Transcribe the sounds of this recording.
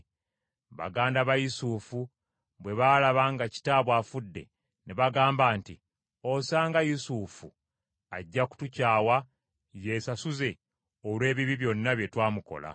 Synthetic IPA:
βa̰ɡaːndaβajusuːfu | bwe̞βaːlaβaŋɡaci̥taːβwaːfudːe̞̰ | neβaɡaːmbaːnti | o̞saːŋɡajusuːfu | aɟːaku̥tucaːwa | je̞ːsasuze̞ | olwe̞ːβiβiβjo̞nːaβje̞twaːmuko̞̰la̰

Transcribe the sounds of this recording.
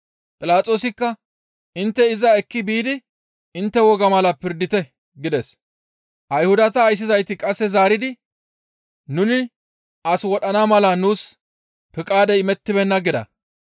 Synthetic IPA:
pʼɪlaːt͡sʼo̞ːsɪkːɐ | ɪnt̪ːɛɪzɐɛkːɪbiːd̪ɪ | ɪnt̪ːɛwɔɡɐmɐlɐpɪɾd̪ɪt̪ɛ | ɡɪd̪ɛs | ʔɐjhʊd̪ɐt̪ɐːjs̬ːɪzɐjt̪ɪkʼɐsːɛzaːɾɪd̪ɪ | nʊnɪ | ɐswɔɗɐnamɐlɐnuːs | pɪkʼaːd̪ɛɪmɛt̪ːɪbɛnːɐɡɪd̪ɐ̰

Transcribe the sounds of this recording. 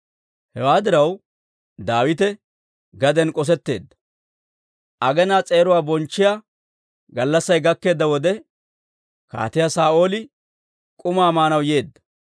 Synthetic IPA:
hɛwaːd̪ɪɾɐw | d̪aːwɪt̪ɛ | ɡɐd̪ɛnkʼɔs̬ɛt̪ːe̞ːd̪ːɐ̥ | ʔɐɡɛnaːt͡sʼe̞ːɾʊwaːbɔnt͡ʃːɪjaː | ɡɐlːɐsːɐjɡɐkːe̞ːd̪ːɐwɔd̪ɛ | ka̰ːt̪ɪjaːsaːʔo̞ːlɪ | kʼʊmaːmaːnɐwjeːd̪ːɐ̥

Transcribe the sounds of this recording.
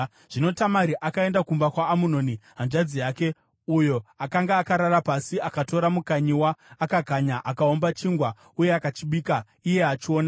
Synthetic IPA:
ʐ̥ino̞tamaɾiʔakae̞ndakumbakwaːmuno̞niɦand͡ʒad͡zijaːke̞ | ujo̞akaŋɡaːkaɾaɾapasiakato̞ɾamukaɲiwaːkaɡʱaɲaʔakao̞mbat͡ʃiŋɡwa | ujeakat͡ʃiɓiːka | ije̞at͡ʃio̞ːna

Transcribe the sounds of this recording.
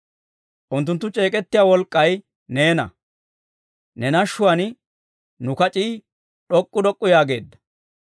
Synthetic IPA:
ʔʊnt̪ːʊnt̪ːʊt͡ʃʼe̞ːkʼɛt̪ːɪjaːwɔlkʼːɐj | ne̞ːnɐ̰ | nɛnɐʃːʊwɐn | nʊkɐt͡ʃʼiː | ɗɔkʼːʊd̪ɔkʼːʊjaːɡe̞ːd̪ːɐ̥

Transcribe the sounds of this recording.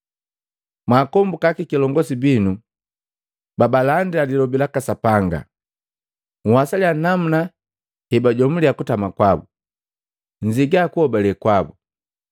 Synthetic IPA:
mwaːkɔmbukakikilɔŋɡɔsibinu | babalandiadilɔbilakasapaŋɡa̰ | ŋ̩hasalianam̩na | hɛbaɟɔm̩liakutamakwabu | ɲ̩d͡ʒiɡaːkuhɔbalɛkwabu

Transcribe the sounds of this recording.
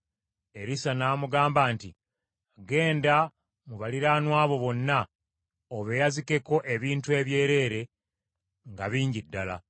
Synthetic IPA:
e̞ɾisanaːmuɡaːmbaːnti | aɡe̞ːnda | muβaliɾaːnwaːβo̞βo̞nːa | oβejazike̞ko̞ʔe̞βiːntue̞βje̞ːɾe̞ɾe̞ | ŋɡaβiːɲɟidːala̰

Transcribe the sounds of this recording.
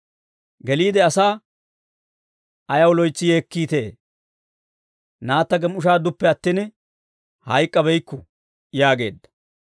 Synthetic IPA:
ɡɛliːd̪ɛɐsaː | ʔɐjɐwlɔjt͡sːɪje̞ːkːiːt̪e̞ː | naːt̪ːɐɡɛmʊʃaːd̪ʊpːɛɐt̪ːin | hɐjkʼːɐbɛjkːʊ | jaːɡe̞̰ːd̪ːɐ̥

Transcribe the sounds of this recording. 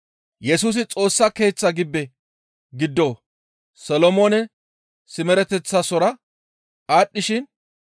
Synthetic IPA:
jɛsuːs̬ɪt͡sʼo̞ːsːɐke̞ːt͡sːɐɡɪbːɛ | ɡɪd̪ːoː | sɐlɔmoːnɛ | sɪmɛɾɛt̪ɛt͡sːɐsɔɾɐ | aːɗːɪʃɪn

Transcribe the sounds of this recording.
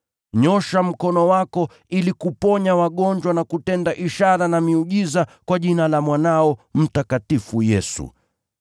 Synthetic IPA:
ɲɔʃam̩kɔnɔwakɔ | ilikupɔɲawaɠɔɲd͡ʒwanakutɛndaʔiʃaɾanamiuʄizakwaʄinalamwanaɔm̩takatifujɛsṵ

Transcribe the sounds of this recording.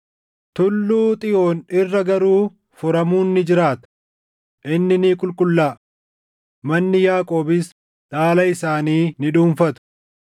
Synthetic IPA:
t̪ʊlːuːt̪ʼɪjo̞ːnɪrːɐɡɐɾuː | fʊɾɐmuːnːɪd͡ʒɪɾaːt̪ɐ̥ | ʔɪnːɪniːkʼʊlkʼʊlːaː | mɐnːɪjaːkʼo̞ːbɪs | ᶑaːlɐɪsaːniːnɪᶑuːnfɐt̪ʊ̥

